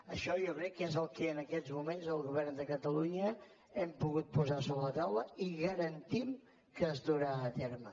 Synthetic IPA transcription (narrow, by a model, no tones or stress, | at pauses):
əʃɔjokɾɛkːezəlˠkɛənəkɛzmumenzəlˠɣuβɛrnd̪əkət̪əluɲə | ɛmpuɣut̪̚puzasoβəət̪awləiɣəɾənt̪im | kəzðuɾaət̪ɛɾmə